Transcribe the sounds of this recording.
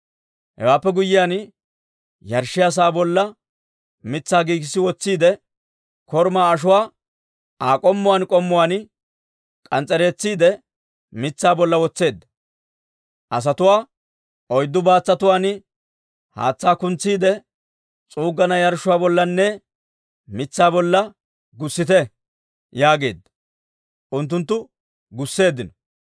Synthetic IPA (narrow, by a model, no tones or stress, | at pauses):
hɛ̰waːpːɛɡʊjːɪjaːn | jɐɾʃːɪjas̬aːbɔlːɐ | mɪt͡sːaːɡiːkɪsːɪwɔt͡sːiːd̪ɛ | kɔɾmaːɐʃ̬ʊwaː | aːkʼɔmːʊwaːnkʼɔmːʊwaːn | kʼɐnt͡sʼːɛɾe̞ːt͡sːiːd̪ɛ | mɪt͡sːaːbɔlːɐwɔt͡sːe̞ːd̪ːɐ | ʔɐs̬ɐt̪ʊwaː | ʔɔjd̪ːʊbaːt͡sːɐt̪ʊwaːn | ha̰ːt͡sːaːkʊnt͡sːiːd̪ɛ | t͡sʼuːɡːɐnɐjɐɾʃʊwaːbɔlːɐnːɛ | mɪt͡sːaːbɔlːɐ | ɡʊsːɪt̪ɛ | jaːɡe̞̰ːd̪ːɐ̥ | ʔʊnt̪̬ːʊnt̪ːʊ | ɡʊsːe̞ːd̪ːɪnɔ